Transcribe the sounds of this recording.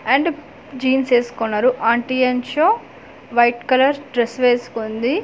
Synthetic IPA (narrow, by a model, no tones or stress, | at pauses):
ɐɳɖ | d͡ʒiːnseːsu̥konːaːɾuʔaːɳʈiɐnt͡ʃoː | ʋɐjʈkɐlɐɾɖɾesʋeːsu̥kond̪i